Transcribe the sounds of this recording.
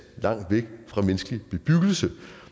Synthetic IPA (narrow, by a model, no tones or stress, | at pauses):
lɑ̈ŋ̰d̥ʋeɡ̥fʁɑ̈mensɡ̥lib̥e̝b̥yɡ̥l̩sə